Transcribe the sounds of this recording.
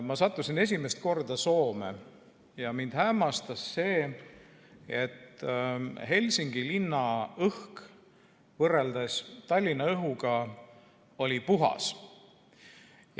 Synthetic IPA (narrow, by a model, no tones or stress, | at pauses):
mɑsɑt̪ːˑusine̞s̬ʲimest̪̚ko̞rd̪̥ɑso̞ːmḛ | jɑmind̪̥hæmɑst̪ɑsːe̞ː | et̪ː | he̞lʲsiŋɡ̥ilinːɑɤhk | vɤreld̪ɑst̪ɑlʲːinːɑɤɦuɡ̥ɑ | o̞lʲipuɦɑ̰s | j